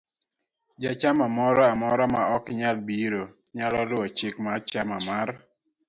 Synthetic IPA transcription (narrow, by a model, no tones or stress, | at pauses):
d͡ʒat͡ʃamamɔɾɔamɔɾɔmaɔkɲalbiɾo | ɲalɔlʊɔt͡ʃɪkmat͡ʃamamar